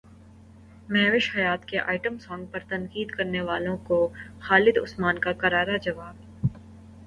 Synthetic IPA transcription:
mɛɦʋɪʃhɐjaːt̪keʔaːɪʈəmsɔ̃ːŋɡ̚pɐɾt̪ɐ̃ŋkiːd̪kɐɾneʋaːlõkoxaːlɪd̪ʊ̰smaːnkakɐɾaːɾad͡ʒɐʋaːb̚

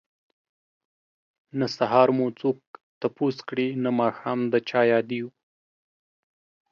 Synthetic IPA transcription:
nasaɦɑɾmut͡sok̚t̪apuskɽinamɑːxɑːmd̪ət͡ʃɑjɑd̪iu

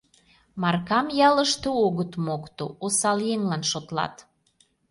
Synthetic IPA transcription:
mɑrkɑmjɑləʃt̪ooɣət̪mokt̪oosɑljeŋlɑnʃot̪lɑ̰t̪

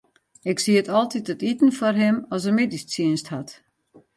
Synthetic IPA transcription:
ɪksiətɔlˠtitətitn̩fɔrɦɪmɔs̬əmedist͡siənsthat

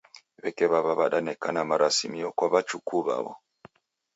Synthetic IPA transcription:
βɛkɛβaβaβaɗanɛkanamaɾasimiɔkwaβat͡ʃukuβa̰βɔ̰

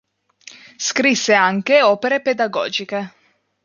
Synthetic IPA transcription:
skɾisːeaŋk̟eɔːpeɾeped̪aɡɔ̰ːd͡ʒike

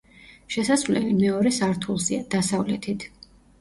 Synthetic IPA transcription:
ʃɛsasvlɛvimɛɔɾɛsaɾt̪ʰulˠziad̪̥asavlɛt̪ʰit̪ʰ

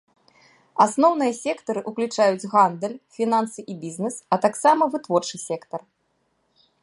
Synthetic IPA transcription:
asnɔwn̪ɨjɐsʲɛkt̪ɐɾɨʔuklʲut͡ʂajud͡zʲɣand̪ɛlʲfʲinansɨʔibʲiznɛsɐt̪aksamɐvɨt̪vɔrt͡ʂɨsʲɛkt̪ɐr

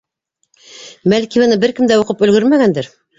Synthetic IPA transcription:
mælkiβɑnɤbɘɾkɘ̆md̪æuqɤpɵ̆lɡɵɾmæɡænd̪ɘɾ

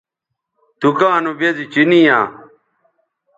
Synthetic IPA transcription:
t̪ukãːnubezit͡ɕinijãː

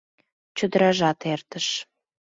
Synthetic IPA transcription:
t͡ɕəd̪əɾɑʒɑt̪ert̪əʃ

